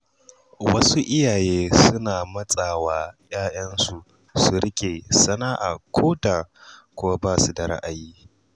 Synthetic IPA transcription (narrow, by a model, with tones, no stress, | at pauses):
wɐ˦su˦ʔɪ˦jaː˨jeː˦sʊ˦naː˨mɐ˦sʼa˨waː˦j̰aː˦jɐ˦nsu˨ | su˨ɾɪ˦kʲeː˨sɐ˦naː˦ʔa˨kʷʰoː˦taː˨kʷoː˦baː˦˨su˨da˨ɾa̰˦ʔa˨jiː˦